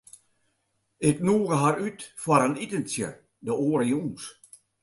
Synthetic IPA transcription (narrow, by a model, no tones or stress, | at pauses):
ɪknuːɣəɦaɾytfwaɾənitənsjə̰ | dəoːəɾəjuns